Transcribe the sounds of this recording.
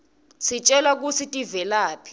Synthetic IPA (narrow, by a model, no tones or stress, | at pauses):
sit͡ʃʼɛlak̬usʰitʼivɛlaːpʰi̥